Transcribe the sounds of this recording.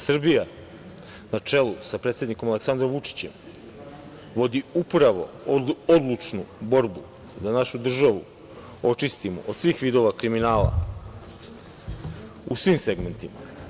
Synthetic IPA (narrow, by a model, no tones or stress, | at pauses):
sr̩bija | nat͡ʂe̞lusapɾet̪sje̞d̪niko̞maleksand̪ɾomʋut͡ʂi̥t͡ɕe̞̰m | ʋo̞d̪iupɾaʋo̞̰ | od̪lˠut͡ʃnubo̞ɾbu | d̪anaʃud̪r̩ʒaʋṵ | o̞t͡ʃist̪imo̰ʔod̪sʋiːxʋid̪o̞ʋakɾiminaːla̰ | usʋimse̞ɡme̞nt̪ima